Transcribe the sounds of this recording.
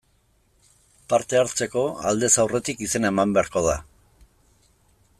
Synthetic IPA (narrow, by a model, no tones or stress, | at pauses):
paɾt̪e̞aɾt͡se̞ko̞a̰ld̪e̞sawre̞t̪ikise̞naemambe̞aɾko̞ða